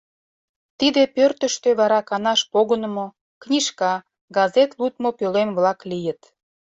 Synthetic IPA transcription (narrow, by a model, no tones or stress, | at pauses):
t̪id̪epørt̪ə̆ʃt̪øβɑɾɑkɑnɑʃpoɣənə̆mo | knʲiʃkɑ | ɡɑzet̪lut̪̚mopølemβlɑklijə̆t̪